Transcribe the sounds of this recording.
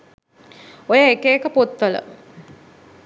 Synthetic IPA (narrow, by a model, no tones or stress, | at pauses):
ojəekəekəpot̪ʋələ̰